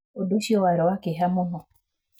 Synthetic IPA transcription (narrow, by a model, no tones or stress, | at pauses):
odoʃiɔwaɾɔwakɪɦamʊnɔ